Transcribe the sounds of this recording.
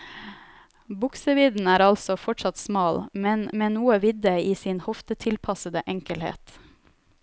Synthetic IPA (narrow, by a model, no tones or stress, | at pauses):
bʊksəʋɪd̪n̩æːɾɑlsɔfɔʈʂɑt̪smɑːlmɛnmeːnuːəʋɪd̪əiːsiːnhɔft̪ət̪ʰɪlpʰɑsəd̪əʔɛŋkəlhḛːt̪